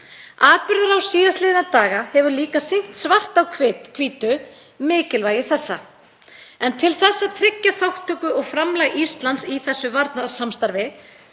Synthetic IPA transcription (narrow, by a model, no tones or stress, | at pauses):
aːpʏɾðʏɾawsiːðast̪lɪːðɪnat̪aːɣahɛvʏɾliːkasiŋ̥t̪svar̥t̪awkʰvɪːt̪kʰviːt̪ʏ | mɪːcɪlvaːjɪθɛsːa | ɛnt̪ʰɪlθɛsːat̪ʰɾɪcːaθawht̪ʰːœːkʏɔɣfɾamlaɣist̪lant̪siθɛsːʏvaɾt̪naðsamst̪aɾvɪ